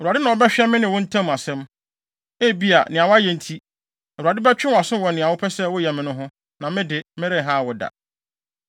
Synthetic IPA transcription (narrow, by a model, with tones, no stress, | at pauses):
ɛ˨ɾu˨a˨dɪ˦nã˨ɔ˦bɛ˦ɕᶣɪ˦ɛ˦mɪ̃˦nɪ̃˨wʊ̃˦n̩˦tʰã˦m˨a˨sɛ̃˦m | e˦˨bi˦a̰˨nɪ̃˨a˨wʊ˦a˦jɛ˨n̩˦tʰi˦ | ɛ˨ɾa˨dɪ˦bɛ˦t͡ɕᶣɪ̃˦wa˨sʊ̃˦wɔ˨nɪ̃˨a˨wʊ˦pʰɛ˦sɛ˦wʊ˦jɛ˨mɪ̃˨nʊ̃˦ɦʊ̃˦ | nã˨mɪ̃˦dɪ˨mɪ̃˦ɾɪ̃˦˨ɦã˦˨wʊ˦da̰˨